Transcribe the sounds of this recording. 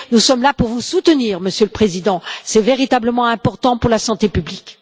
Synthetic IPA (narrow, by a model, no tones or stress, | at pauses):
nusɔmlapuʁvusut̪əniːʁməsjøləpχezid̪ɑ̃sɛveʁit̪abləmɑ̃ɛ̃pɔʁt̪ɑ̃puʁlasɑ̃t̪epyblik